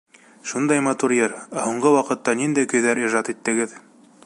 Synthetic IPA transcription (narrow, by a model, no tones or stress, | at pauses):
ʃund̪ɑjmɑt̪uɾjɘɾæhuɴɢɤwɑqɤ̆t̪ːɑnind̪æjkɵ̆jðæɾiʒɑt̪it̪ːɘ̆ɡɘð